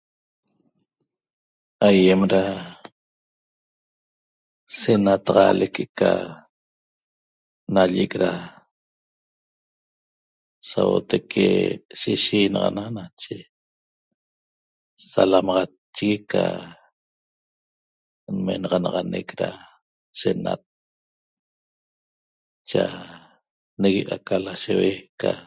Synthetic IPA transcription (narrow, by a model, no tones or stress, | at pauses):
ajemɾa | senat̪ɑʁɑlekʰeka | naʎekɾa | sawo̰t̪ekʰeʃiʃiːnɑʁɑnanat͡ʃe | salamɑʁɑ | t͡ʃːiɣika | nmenɑʁɑnɑʁɑnekɾa | senat̪̚ | t͡ʃa | neɣeʔakalaʃeweka